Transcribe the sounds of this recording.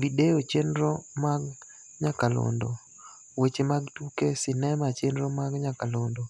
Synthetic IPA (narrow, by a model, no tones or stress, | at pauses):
bideot͡ʃenɾɔmaɡ | ɲakalo̰ndo | wet͡ʃemaɡtukesɪnɛmat͡ʃenɾɔmaɡɲakalondo